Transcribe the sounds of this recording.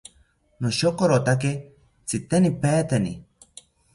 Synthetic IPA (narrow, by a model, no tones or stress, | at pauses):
noʃokoɾot̪ak̬e | t͡sit̪enipeːt̪enḭ